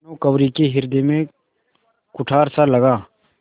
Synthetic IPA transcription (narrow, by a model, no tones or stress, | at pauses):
nokəʋɾikeɦɪɾd̪emẽ | kʊʈʰaːɾsaləɡaː